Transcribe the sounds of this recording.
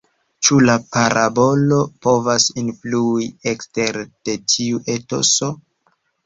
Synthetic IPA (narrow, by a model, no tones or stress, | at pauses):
t͡ʃulapaɾʔabo̞lo̞po̞vasinfluiekste̞ɾd̥e̞tʰiuʔeto̞̰so̞